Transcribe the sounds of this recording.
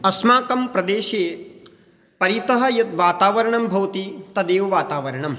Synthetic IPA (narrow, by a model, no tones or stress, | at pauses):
ɐsmaːkɐmpɾɐd̪eːʃeː | pɐɾit̪ɐɦɐ̆jɐt̪ʋaːt̪aːʋɐɾɐɳɐmbʱɐwt̪it̪ɐd̪eːʋʋaːt̪aːʋɐɾɐɳɐm